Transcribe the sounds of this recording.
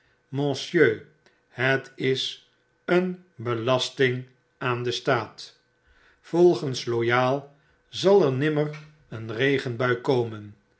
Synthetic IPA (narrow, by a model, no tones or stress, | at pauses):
mɔ̃sjøː | hətɪs | ənbəlɑstɪŋ | aːndəstaːt | fɔlˠχənslojaːlˠ | zɑlˠɛɹnɪmər | ənrejχənbœɥkowmən